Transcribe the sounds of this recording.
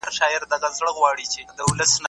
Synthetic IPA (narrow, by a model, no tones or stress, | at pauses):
ɾʃɑɪɾd̪aɣazɽəɣwɑɽit͡ʃed̪əʊləsn